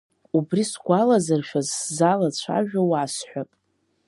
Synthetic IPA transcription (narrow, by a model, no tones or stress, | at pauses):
ubrisɡʷalazarʃᶣazszalat͡ɕʷʰa̰ʒᶣawaːsħʷᶣapʼ